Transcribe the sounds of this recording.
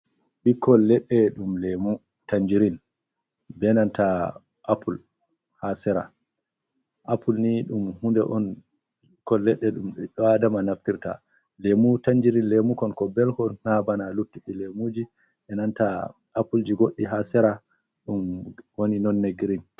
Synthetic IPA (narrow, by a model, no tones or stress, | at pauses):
ɓikːɔlːɛɗːɛɗumlemu | taɲd͡ʒiɾin | bɛnanta | ʔapʰul | hasɛɾa̰ | ʔapulniɗumhundɛʔɔn | ikːɔlːɛɗːɛɗumɗɛɗɔadamanaftiɾta̰ | lemutand͡ʒiɾinlemukɔnkɔbɛlkɔnnabanalutːiɗilemud͡ʒi | ɛnanta | apuld͡ʒiɡoɗːiɦasɛɾa | ɗumwoninɔnːeɡɾin